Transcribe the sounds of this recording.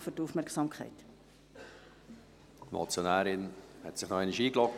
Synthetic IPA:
fytuːfmærksɑːmkʰχɛ̰ɪt | mɔ̰t͡sjonæːɾɪnhɛtsɪχnɔɛɪniʃiːklɔk̚

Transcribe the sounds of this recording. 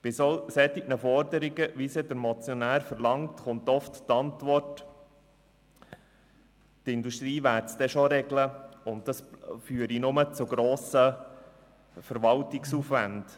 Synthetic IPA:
b̥ɪsɔsɛt̪ɪknəfɔɾd̪əɾiɡəʋisɛd̪əɾmɔt͡sjɔnæːɾfəɾlɑŋtχʊnt̪ɔfttɑntʋɔrt | tɪnd̪uʃt̪ɾiːʋæːɾtt͡sd̥̪ɛʃɔɾɛɡləʊnt̚dɑsfyːəɾinʊmət͡sʊɡɾoːsə | fəɾʋɑltɪksuːfʋænd̥

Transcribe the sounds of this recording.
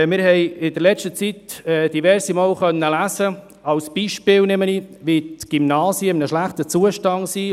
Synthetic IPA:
mɪɾhɛɪjɪd̥əɾlɛt͡ʃtət͡sitɛd̥ivɛɾsimoːlχœnːəlæːsə | ɑwsb̥iːʃpɪːlnɛməniʋitɡ̥imnɑːsjəɪmnəʃlæχtət͡suəʃtɑnsi

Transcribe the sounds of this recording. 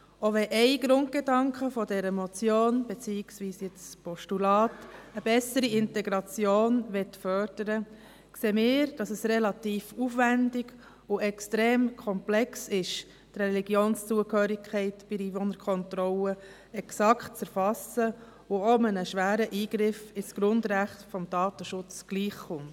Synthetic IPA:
oʋɛʔɛɪɡ̥ɾʊnd̚ɡ̥edɑŋkχəfɔdɛɾəmɔt͡sjoːnbet͡siːɪksviːsjɛt͡spʰɔʃtulɑːtəb̥ɛsəɾiɪntɛɡɾɑt͡sjoːnʋɛtfœɾd̥əɾə | kseːmɪːɾd̥ɑsɛsrɛlɑt̪iːfufʋændɪɡ | ʊɛkstɾeːmkʰɔmplɛksɪʃ | t̪rɛliɡjoːnst͡suəkhøːɾɪkʰχɛɪtb̥ɪdiːvɔnəɾkʰɔntɾɔlə | ɛksɑktt͡sɛɾfɑsə | ʊɔmənəʃʋæːɾəʔiːɡɾɪfɪsɡ̥ɾʊndɾæχtfɔmd̥ɑːt̪əʃʊt͡sɡ̥liːχχʊmt

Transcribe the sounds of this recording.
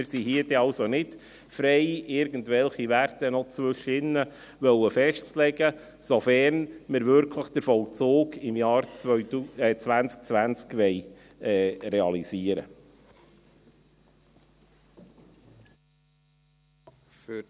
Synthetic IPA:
ɪɾsiɦiəd̥ɛɑlsonɪt | fɾɛɪɪɾɡən̩dvɛlχiʋærtənɔt͡sʋɵʃəɪnːə | ʋœwəfɛʃtt͡slɛɡə | sɔfɛɾnmɪɾvʏɾkʰləχd̥̪əɾfɔwlt͡soːɡɪmjɑːɾ | t͡svænt͡sk̚t͡sʋænt͡skʋɛj | ɛːɾeɑliziːəɾə̰ | f

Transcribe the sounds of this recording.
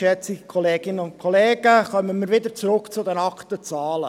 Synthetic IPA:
ɛt͡sɪɡəkʰɔleːɡ̥ɪnənʊnkʰɔleːɡ̥əχœmənmiːɾʋɪd̪əɾt͡sɾʊkt͡sʊd̪ɛnɑkt̪ət͡sɑːlə̰

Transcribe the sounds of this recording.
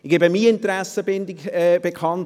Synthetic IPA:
ɡeːbəmiɪntəɾæsəbɪndɪɡɛːb̥ekʰɑnt

